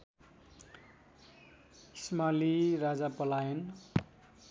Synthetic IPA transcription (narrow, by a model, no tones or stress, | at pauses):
ismalirad͡zapʌlajʌn